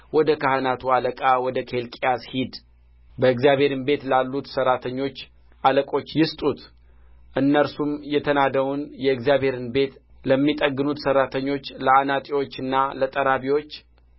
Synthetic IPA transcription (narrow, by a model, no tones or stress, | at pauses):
wɔd̪əkahənat̪ʰualəkʼawɔd̪əkʰe̞lkʼijashid̪ | bəɨkzjaβhe̞ɾɨnbe̞t̪lalːut̪səɾːat̪ʰəɲːo̞t͡ʃː | ʔaləkʼo̞t͡ʃːjɪst̪ʼut̪ | ʔɨnːəɾsumjɛt̪ʰənad̪əwunjɛɨkzijaβhe̞ɾɨnbe̞t̪ | ləmːit̪ʼəɡɨnut̪sərːat̪ʰəɲːo̞t͡ʃːləanat̪ʼiwo̞t͡ʃːɨnːalət̪ʼəɾaβiwo̞t͡ʃː